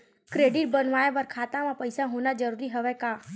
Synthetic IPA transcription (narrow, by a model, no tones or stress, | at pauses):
kɾeːɖɪʈ̚bənʋaːepəɾkʰaːt̪ãmãpəjsaɦonad͡ʒəɾuːɾiɦəʋɛkaː